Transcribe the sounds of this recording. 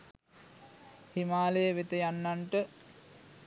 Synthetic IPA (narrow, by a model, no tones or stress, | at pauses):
himaːləjəʋet̪əjanːaɳʈə